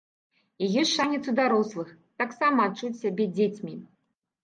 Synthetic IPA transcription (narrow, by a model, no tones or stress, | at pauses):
ijɔsʲʂanʲɛt̪sud̪aɾɔslˠɨx | t̪aksamɐːt͡ʂːut͡sʲsʲabʲed͡zʲet͡sʲmʲi